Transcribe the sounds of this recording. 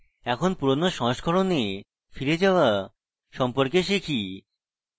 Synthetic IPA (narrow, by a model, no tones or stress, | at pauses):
ɛkʰonpuɾonoʃɔɦoʃkʰoɾone | fiɾed͡ʑaoa | ʃɔmpoɾkeʃikʰi